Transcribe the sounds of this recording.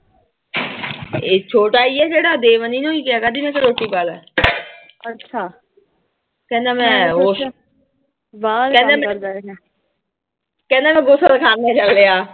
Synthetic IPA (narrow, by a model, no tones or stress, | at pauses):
et͡ʃʰoːʈaːiːɛːseːɽaːd̪eːʋəniːnõːiːkɪaːkəd̪iːmɛ̃ːsəɾoːʈːiːpaːlɛ̰ː | ətːʃʰaː | kɛ̃ːnd̪aːmɛ̃ːɦoːʃ | ʋaːkɛ̃ːnd̪ẽmɛɾd̪ | kɛ̃ːnd̪aːmɛ̃ːɡosəd̪kʰaːnẽːt͡ʃəlːeaː